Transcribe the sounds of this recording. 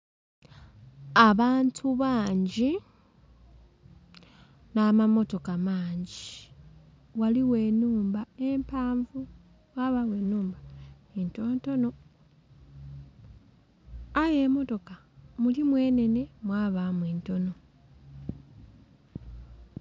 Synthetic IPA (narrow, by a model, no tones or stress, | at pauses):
aβaːntʰuβaːɲɟi | namamo̞to̞kamaːɲɟi | waliwe̞ːnuːmbae̞mpaːɱvu | waβawe̞ːnuːmba | entoːnto̞no̞ | aje̞ːmo̞to̞ka | mulimwe̞ːne̞ne̞mwaːβamweːnto̞no̞